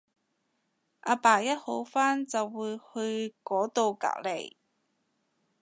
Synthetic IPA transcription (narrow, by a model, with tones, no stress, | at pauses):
ʔaː˨˧paː˨˩jɐ˥t̚ho˨˥wfaː˥nt͡sɐ˨wːuː˨˧jhɵ˧ɥkɔː˨˥t̪o˧wka̰ː˨˥k̚le˨˩j